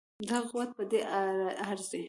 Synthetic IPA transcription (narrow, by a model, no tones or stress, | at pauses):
d̪aɣwat̪̚pəd̪eaaɾzd̪e